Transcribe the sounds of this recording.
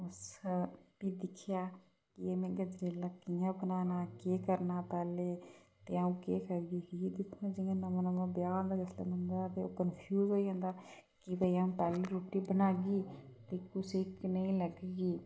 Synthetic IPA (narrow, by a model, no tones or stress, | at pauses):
ʊs | piːd̪ɪkʰjaː | kɪemẽːɡəd͡ʒɾeːlaːkɪjãːbənaːnaːkeːkəɾnaːpɛːleːt̪eːaũːkeːkəɾɡiːkiid̪ɪkʰːãːd͡ʒɪãːnəmãnəmãːbjaːnd̪aːɡəslə̰ːmə̃nd̪at̪eoːkənpʰjuːzɦoːiɦə̃nd̪aːkɪbəiaːũːpɛːleɾoːʈiːbənaːɡiːt̪eːkʊsiknəĩːləɡɡiː